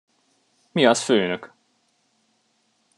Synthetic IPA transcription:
miɒsføːnøk

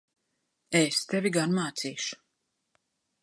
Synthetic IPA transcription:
est̪ɛvʲiɡanmaːt̪siːʃu̥

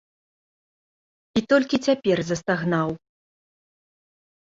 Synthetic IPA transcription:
it̪ɔlʲkʲit͡sʲapʲɛrzɐst̪aɣnaw

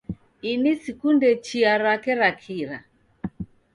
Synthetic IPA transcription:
inisikundɛt͡ʃiaɾakɛɾakʰiɾa

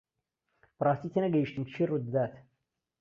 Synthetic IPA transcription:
b̥rˤɑːst̪iːt̪ʰenɐɡɐjiʃt̪ɨmt͡ʃʰirud̪əd̪aːt̪ʰ

